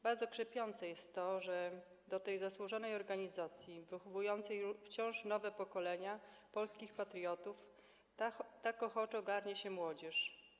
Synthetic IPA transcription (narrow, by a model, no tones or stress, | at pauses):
baɾd̪zɔkʂɛpʲjɔnt̪sɛjɛst̪ːɔʐɛ | d̪ɔt̪ɛjzaswuʐɔnɛjɔɾɡaɲizat̪sʲjivɘxɔvujɔnt̪sɛjft͡ɕɔ̃w̃ʂnɔvɛpɔkɔlɛɲa | pɔlskʲixpat̪ɾʲjɔt̪uf | t̪akɔxɔt͡ʂɔɡaɾɲɛɕɛmwɔd͡ʑɛʂ